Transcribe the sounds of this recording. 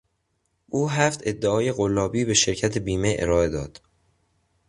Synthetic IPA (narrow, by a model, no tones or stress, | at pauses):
ʔuːɦæft̪ʰe̞d̪ːeɒːje̞ɣolːɒːbiːbe̞ʃe̞ɾcʰæt̪ʰebiːme̞ʔḛɾɒːe̞d̪ɒːd̪̥